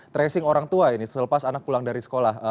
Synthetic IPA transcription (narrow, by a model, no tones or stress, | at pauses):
t̪ɾɛsɪŋoɾaŋt̪uainisələpasanak̚pulaŋdaɾisə̥kolahə